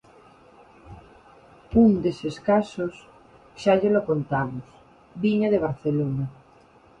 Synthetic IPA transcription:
und̪eseskasos | ʃaʎelokont̪amos | biɲaðeβ̞aɾθelona

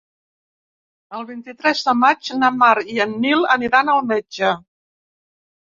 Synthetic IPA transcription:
əlˠβint̪it̪ɾɛzðəmad͡ʒnəmaɾiənːiləniɾanəlˠmɛd͡ʒə

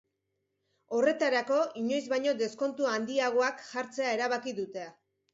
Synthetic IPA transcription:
o̞re̞t̪aɾako̞iɲo̞jzβajɲo̞d̪e̞sko̞nt̪uand̪iaɣ̞oakʝaɾt͡se̞ae̞ɾaβ̞akiðut̪e̞a

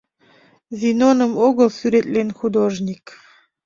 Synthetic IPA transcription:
zʲinonəmoɡəlˠsyɾet̪ʼlʲenʲxud̪oʒnʲik

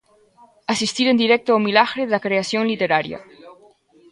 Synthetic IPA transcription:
asist̪iɾend̪iɾɛk̚t̪oaomilaɣɾeðlakɾeasjoŋlit̪eɾaɾja̰

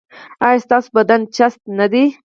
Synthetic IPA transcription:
ajast̪ɑsobad̪ant͡ʃast̪nad̪i

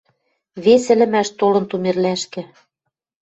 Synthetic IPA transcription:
βesɘ̆lɘ̆mæʃt̪olɤ̆nt̪umerlæʃkɘ̆

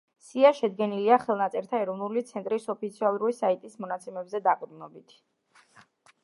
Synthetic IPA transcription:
siaʃɛd̪ɡɛniliaχɛlˠnat̪sʼɛɾt̪ʰaɛɾɔvnulit̪sʰɛnt̪ʼɾisɔpʰit̪sʰialˠɾulisait̪ʼismɔnat̪sʰɛmɛbzɛd̪aqʼd̪nɔbit̪ʰ

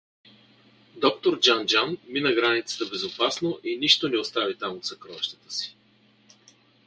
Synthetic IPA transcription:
d̪ɔkt̪oɾd͡ʒand͡ʒanminəɡɾanit̪sə̥t̪əbɛzopasnoʔiniʃt̪onɛost̪avit̪amot̪sɐkɾɔvɛʃt̪ə̥t̪ə̥si̥

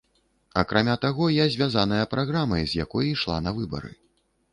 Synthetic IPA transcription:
ɐkɾʔamʲat̪aɣɔjazʲvʲazan̪ɐjɐpɾaɣɾamɐjzʲjakɔjɐjʂlˠa̰nɐvɨbɐ̰ɾɨ̰

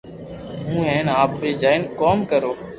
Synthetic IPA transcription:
ɦũːɦɛ̃ːnaːpɾiːd͡ʒaːɪnkoːmkəɾoː

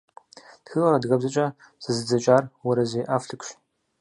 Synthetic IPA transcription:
txɨʁɐɾɐdɣɐbzɐt͡ʃʼɐ | z̥ɨzɨd͡zɐt͡ʃʼaːrwɐɾɐzeːʔaːfɬɨkʷʃ

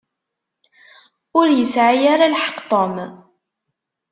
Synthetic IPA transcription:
ʊɾjəsʕajaɾalħə̥qt̪ˤom

